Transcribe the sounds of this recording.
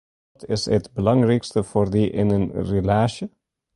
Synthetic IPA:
tɪ̰sətbəlɑŋrɛkstəfoːrdiʔɪ̰nənrelaːʃə

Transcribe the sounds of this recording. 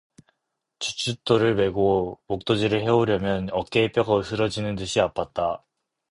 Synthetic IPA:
t͡ɕut͡ɕʰut͈oɾɯɭme̞ɡomok̚t͈od͡ʑiɾɯɭɦe̞oɾjʌmjʌnʌk͈eːp͈jʌɡaɯsʰɯɾʌd͡ʑinɯntɯɕʰiap͈ʰat̚t͈a

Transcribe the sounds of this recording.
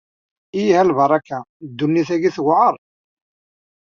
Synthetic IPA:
ijhælbɑɾˤɑkːæd̪ːunːiθæɡiθɣʕəɾˤ

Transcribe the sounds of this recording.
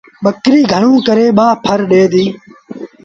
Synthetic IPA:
ɓəkɾiːɡʱəɳ̃ũːkəɾeːɓaːpʰəɾɗeːd̪iː

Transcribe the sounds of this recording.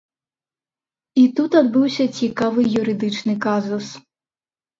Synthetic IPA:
it̪ut̪ad̪bɨwsʲɐt͡sʲikavɨjuɾɨd̪ɨt͡ʂnɨkazus

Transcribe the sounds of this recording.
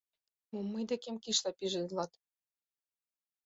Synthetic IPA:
mumːɤjd̪ekemkiʃlɑpiʒɘ̆lˠɑt̪

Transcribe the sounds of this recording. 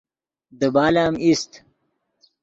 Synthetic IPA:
d̪əbaːlaːmist̪

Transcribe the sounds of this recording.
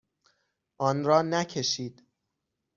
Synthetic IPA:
ʔɒːnɾɒːnæcʰe̞ʃiːd̪̥

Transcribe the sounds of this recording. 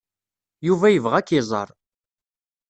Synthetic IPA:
juvæjəvʁækːɪzˤɑ̰ɾˤ

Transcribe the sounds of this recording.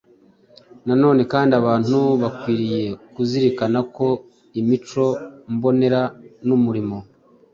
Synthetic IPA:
nano̞ːne̞kaːndiaβaːn̥uβakwiːɾije̞kuziɾikanako̞ | imit͡ʃo̞mbo̞ne̞ɾanumuɾimo̞

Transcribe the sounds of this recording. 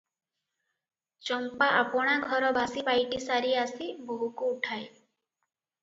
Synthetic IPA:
t͡ʃɔmpaʔapɔɽ̃aɡʱɔɾɔbʱasipajʈisaɾiasiboɦukuuʈʰae

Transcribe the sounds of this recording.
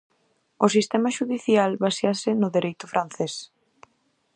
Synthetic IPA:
ʊsist̪ɛmaʃuðiθjalβasjasɪnʊðeɾʔejt̪ʊfɾʔan̟θes

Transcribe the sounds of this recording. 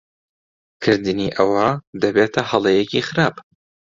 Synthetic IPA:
kʰɨɾd̪ɨniːʔɐwɐd̪ɐbeːt̪ʰɐhɐlˠejecixɨɾaːb

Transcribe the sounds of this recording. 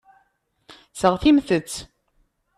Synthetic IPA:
səʁθimθət͡sː

